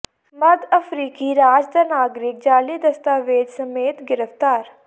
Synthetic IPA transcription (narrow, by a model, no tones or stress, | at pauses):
məd̪əfʰɾiːkiːɾaːd͡ʒd̪aːnaːɡɾɪk̚d͡ʒaːliːd̪əst̪aːʋeːd͡ʒ̪səmeːt̪ɡɪɾəft̪aːɾ